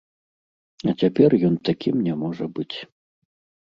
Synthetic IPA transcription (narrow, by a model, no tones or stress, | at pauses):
ɐt͡sʲapʲɛrjɔnt̪akʲʰimnʲɛmɔʐɐbɨt͡sʲ